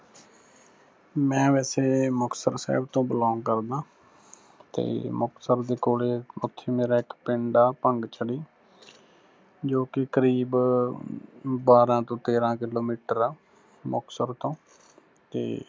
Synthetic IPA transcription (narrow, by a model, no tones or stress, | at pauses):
mɛ̃ːʋɛːseːmʊksəɾsɛ̰ːbt̪õːbəlaːŋkəɾd̪ãː | t̪ḛːmʊksəɾd̪eːkoːleːʊt̪ʰːeːmeːɾaːɪkpɪ̃ːɳɖaːpəŋɡt͡ʃʰəɽiː | d͡ʒoːkɪkəɾiːb | baːɾãːt̪õːt̪eːɾãːkɪloːmiːʈəɾaː | mʊksəɾt̪õː | t̪ḛː